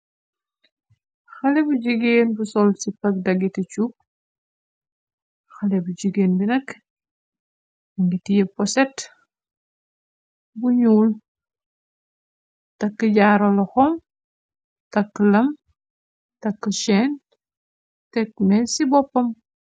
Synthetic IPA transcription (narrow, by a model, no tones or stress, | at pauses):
xɐlɛbuɟiɡeːnbusɔlsipɐk̚dɐɡitit͡ʃuk̚ | xɐlɛbud͡ʒiɡeːnbinɐk | ɐŋɡitijɛpɔsɛt | buɲuːl | tɐkːəɟaːɾɔlɐxɔm | tɐkːəlɐm | tɐkːəʃɛːn | tɛkmɛsibɔpːɐm